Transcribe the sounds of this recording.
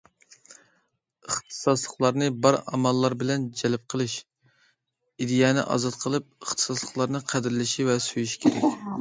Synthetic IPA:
əχt̪ʰɨ̥sɑslˠəχlˠɑɾnɨbɑɾɑ̰mɑlˠːɑɾbɪlɛnd͡ʒɛlp̚qʰəlˠɨʃ | id̪ɪjɑnɪ̰ʔɑ̰zɑt̪̚qʰəlˠɨp̚əχt̪ʰɨ̥sɑslˠəχlˠɑɾnɨqʰæd̪ɪɾlɪʃivɛsøjyʃi̥kʲʰeɾɛkʲ

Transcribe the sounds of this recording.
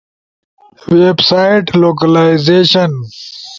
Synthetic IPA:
weːbsaːɪʈloːk̬ɐlaɪzeːʃɐn

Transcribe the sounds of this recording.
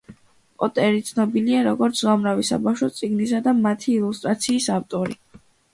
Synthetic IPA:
pʼɔt̪ʼɛɾit̪sʰnɔbiliaɾɔɡɔɾt̪sʰzamɾavisa̰bafʃɔt̪sʼiɡnisad̪amat̪ʰiːlˠust̪ʼɾat̪sʰiːsaft̪ʼɔɾi

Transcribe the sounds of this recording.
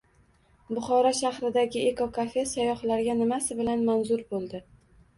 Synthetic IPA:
bʊχɒɾɒʃahɾɪd̪aɡʲɪʔekokʰafe̞sajɒχlaɾɡʲanɪmasɪbɪlanmanzʊɾbolˠd̪ɪ

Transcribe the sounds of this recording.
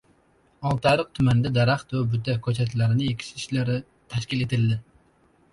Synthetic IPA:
ɑlˠt̪ʰaɾɨq̚t̪ʰʊmand̪ad̪aɾaχt̪vabʊt̪ʰakʲʰɵt͡ʃʰat̪ʰlaɾɪnɪjekʲʰi̥ʃiʃlaɾɪ | t̪ʰaʃkʲilet̪ɪld̪ɪ

